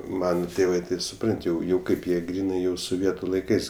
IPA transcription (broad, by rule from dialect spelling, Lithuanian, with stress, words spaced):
ˈmɑːnɐ ˈtʲeːʋɜ tɐɪ sʊˈprɐnʲtʲ jɛʊ ˈkɐɪp jiɛ ˈɡrʲiːnɐɪ jɛʊ soːˈʋʲiɛtʊ lˠɐɪˈkɐɪs